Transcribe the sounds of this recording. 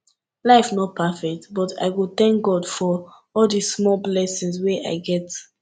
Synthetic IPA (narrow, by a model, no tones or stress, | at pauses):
laɪfnɔt̚pʰafɛk̚tbɔtʰa̰ɪwilθɛ̃ŋk̚ɡɔdfɔ | ɔldismɔlblɛsĩŋsweʔa̰ɪɡɛt